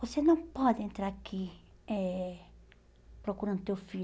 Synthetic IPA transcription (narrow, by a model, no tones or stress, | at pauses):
vosenɐ̃w̃pɔd̪ɪẽnt̪ɾaɾakʰiɛ | pɾokuɾɐ̃nd̪ʊt̪ewfi